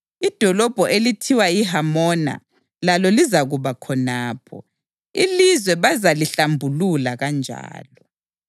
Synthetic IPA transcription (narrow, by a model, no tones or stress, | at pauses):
id̥ʱɔlɔb̥ʱɔʔelitʰiwaiɦamɔna̰ | lalɔlizaɣuβakʰɔnaːpʰɔ̰ | ilizwɛβazaliɬambʱululaɣand͡ʒʱa̰ːlɔ